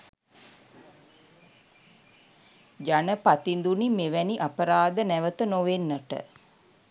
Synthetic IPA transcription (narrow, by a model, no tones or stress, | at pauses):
d͡ʒanəpat̪ind̪unimeʋæniʔapəɾaːd̪ənæʋət̪ənoʋenːəʈə̰